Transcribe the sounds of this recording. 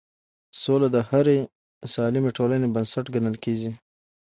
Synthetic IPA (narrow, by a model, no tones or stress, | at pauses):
solad̪əhaɾe | sɑlimeʈolanebənsaʈɡanəlkeɡi